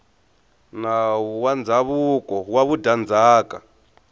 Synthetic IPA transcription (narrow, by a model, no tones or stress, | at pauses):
nawuwand͡zaβukʼɔwaβudand͡zaːkʼa̰